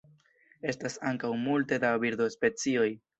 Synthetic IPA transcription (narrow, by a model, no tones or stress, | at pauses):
e̞stasaŋkawmulte̞dabiɾdo̞spe̞t͡sio̞j